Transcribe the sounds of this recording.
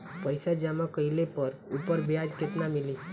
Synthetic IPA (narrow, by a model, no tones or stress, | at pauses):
pəjsad͡ʒamãkəilepəɾupəɾbjad͡ʒket̪namɪli